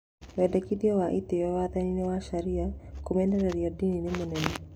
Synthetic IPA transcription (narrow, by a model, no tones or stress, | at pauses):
wɛdɛkiðiɔwaʔit̪eɛwaðaninewaʃaɾiakumɛndaɾaɾiadininemonɛnɛ